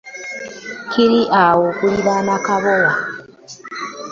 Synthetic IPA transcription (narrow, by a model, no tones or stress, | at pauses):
kʰiɾiʔawokuliβanakaβowa